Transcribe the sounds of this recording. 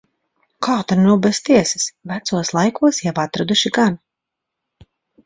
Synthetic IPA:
kʰaːt̪aɾnuwbɛst̪iɛsɪsvæt̪suɔslˠajkuɔsjavat̪ɾad̪uʃiɡan

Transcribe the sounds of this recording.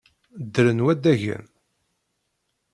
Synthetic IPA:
d̪ːɾənwæd̪æʝə̰m

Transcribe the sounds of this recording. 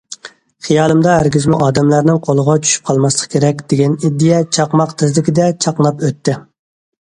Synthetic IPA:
χijɑːlˠɨmd̪ɑɦæɾɡʲizmuʔɑːd̪ɛmlæɾnɪŋqʰolˠəʁɑt͡ʃʰy̥ʃy̥p̚qʰɑlˠmɑslˠəqkʲʰeɾɛkʲd̪̥eɡʲɛnid̪ːijɛt͡ʃʰɑqmɑqt̪ʰɪzlɪkʲɪd̪ɛt͡ʃʰɑqlˠɑpøt̪ːɪ

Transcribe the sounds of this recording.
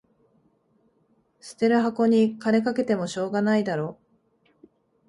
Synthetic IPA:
sɨ̥t̪e̞ɾɯ̟ɦako̞ɲ̟ikane̞kake̞t̪e̞mo̞ɕo̞ːɡanaid̪aɾo̞ː

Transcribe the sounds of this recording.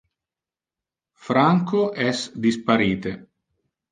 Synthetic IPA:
fɾaŋkoʔɛsd̪ispaɾiːt̪e

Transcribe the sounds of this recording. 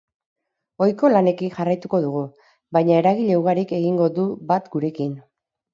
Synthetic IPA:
o̞jko̞lane̞kinʝarajt̪uko̞ðuɣ̞u | bajɲae̞ɾaɣiʎe̞uɣaɾike̞ɣ̞iŋɡo̞ðubat̪ɡuɾe̞kin

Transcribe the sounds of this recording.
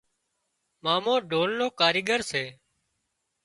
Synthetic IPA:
maːmõːɖʱoːlnoːkaːɾɪːɠəɾseː

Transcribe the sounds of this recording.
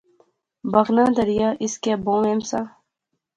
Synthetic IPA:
bɐɣnãːd̪ɐɾijaːʔiskebõːemsa

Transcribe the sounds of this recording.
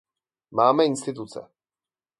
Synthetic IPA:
maːmɛɪnst̪ɪt̪ut͡sɛ̰

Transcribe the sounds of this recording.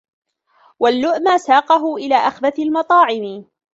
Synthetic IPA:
walːʊʔmasaːqɑɦʊʔɪlaːʔaxðaθalmɑt̪ˤɑːʕɪmɪ

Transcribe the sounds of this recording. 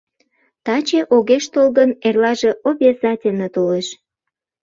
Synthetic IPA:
t̪ɑt͡ɕeʔoɣeʃt̪olɣənerlɑʒe̽ʔobʲezɑtʲenet̪oleʃ

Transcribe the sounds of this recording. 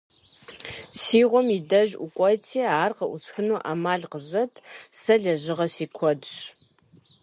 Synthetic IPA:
siːʁʷɔmidɐʒʔʊ̰kʷʼɔtʰeːaːrqɐʔusxɨnuːʔaːmaːɮqəzɐtʰsɐɮɐʑɪʁɐsiːkʷʰɔdɕ

